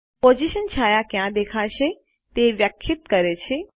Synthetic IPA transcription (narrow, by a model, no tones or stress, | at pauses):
pod͡ʒiʃənt͡ʃʰaːjakjãd̪ekʰaʃe | t̪eʋjəkʰːɪt̪kəɾet͡ʃʰe